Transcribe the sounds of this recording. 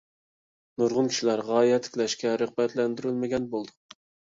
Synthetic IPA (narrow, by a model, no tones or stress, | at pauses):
noɾʁʊnkʲʰi̥ʃilæɾʁɑːjɛt̪ʰːɪ̥kʲlɛʃkʲɛɾəqbɛt̪lɛnd̪yɾylmɪɡʲɛnbolˠd̪u